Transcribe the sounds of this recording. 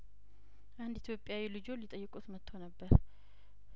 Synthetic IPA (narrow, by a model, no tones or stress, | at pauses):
ʔand̪it̪ʰjo̞pʼːɪjawilɨd͡ʒo̞lit̪ʼəjːɪkʼut̪mət̪ʰːəwnəbːəɾ